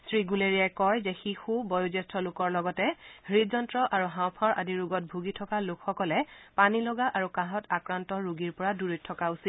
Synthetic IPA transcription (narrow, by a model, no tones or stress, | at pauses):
sɹiɡuleɹijajkɔjzɛxixubɔjuzɛstʰɔlʊkɔɹlɔɡɔtɛhɹizɔntɹɔʔaɹuɦãwpʰɔɹʔa̰diɹuɡɔt̚bʱuɡitʰɔkalʊkxɔkɔlɛpanilɔɡaʔaɹukãɦɔtakɹantɔɹuɡiɹpɔɹaduɹitʰːɔkausit